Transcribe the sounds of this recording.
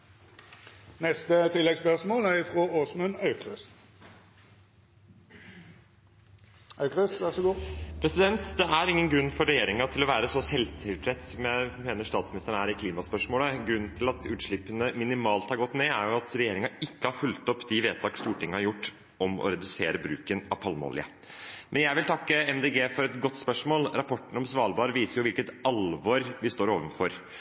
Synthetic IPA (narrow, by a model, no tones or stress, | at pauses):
nɛst̪ət̪ʰɪlːɛɡspœʁsmoːlæʁɪfʁoːʔoːsmʉnɑʉkʁʉst̪ | ɑkʁʉst̪ʋæʁsɔɡopʰɾɛsɪd̪ɛnt̪d̪ɛʔæɾɪŋːənɡɾʉnːfɔɾɛjeːɾɪŋɑt̪ʰɪlɔʋæːɾəsɔsɛlt̪ʰɪlpʰɾɛt̪sɔmjæmeːnəʂt̪ɑːt̪smnɪst̪əɳæːɾɪkʰliːmɑspœʂmoːləɡɾʉnːnt̪ʰɪlɑt̪ʉːt̪ʂɭɪpːənəmɪnɪmɑːlt̪hɑɾɡɔt̪ːneːæ̰ɾjʊɑt̪ɾɛjeːɾɪŋɑɪkːəhɑɾfʉlt̪ɔpːd̪ɪʋeːt̪ʰɑːkst̪uːʈʰɪŋːəhɑɾjʊʈː | ʔɔmɔ̰ɾɛd̪ʉseːɾəbɾʉ̰ːkənɑ̰pʰɑlmo̰ːlɪ̰ə̰ | mʔɛnjæɪʋɪlt̪ʰɑkːəɛmd̪eːɡeːfɔɾɛt̪ɡɔt̪ːspœʂmoːlɾɑpɔʈːəɳ̩ɔmsʋɑːlbɑːɾəʋiːsəɾjʊʋɪlkət̪ɑlʋɔɾʋɪst̪oːɾoːʋənfɔɾ